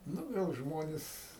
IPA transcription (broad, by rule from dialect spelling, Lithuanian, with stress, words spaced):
ˈnʊ ˈɡɐlˠ ˈʒmoːnʲɪs